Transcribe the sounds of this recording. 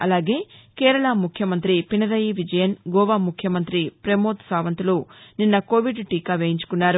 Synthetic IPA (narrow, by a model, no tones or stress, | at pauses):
ɐlaːɡe̞ːkɛːɾɐɭɐmukʰjɐmɐnt̪ɾipinɐɾɐjiʋid͡ʒɐjɐnɡɔːʋaːmukʰjɐmɐnt̪ɾipɾemoːt̪saːʋɐnt̪uluninːɐkoːʋiɖʈiːkaːʋeːjiɲt͡ʃu̥kunːaːɾu